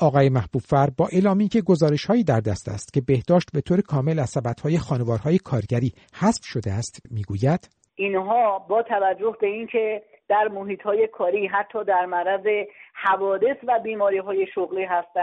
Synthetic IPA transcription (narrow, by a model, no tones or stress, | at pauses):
ʔɒːɣɒːjemæhb̥uːb̥fæɾbɒːʔelɒːmiːcʰe̞ɡo̞zɒːɾe̞ʃhɒːiːd̪æɾd̪æst̪æ̰st̪cʲe̞be̞hd̪̥ɒːʃt̪̚be̞t̪ʰoːɾekʰɒːme̞læz̥sæbæt̪hɒːje̞xɒːne̞vɒːɾhɒːje̞kʰɒːɾɟæɾiː | hæsfʃo̞d̪eæst̪miːɡuːjæd̪̥ | ʔinɦɒːbɒːt̪ʰævæd͡ʒːohbe̞inkʰe | d̪̥æɾmoɦiːt̪ʰhɒːje̞kʰɒːɾiːɦæt̪ʰːɒːd̪æɾmæɾæzehævɒːd̪e̞svæbiːmɒːɾiɦɒːje̞ʃoɣliːɦæst̪æn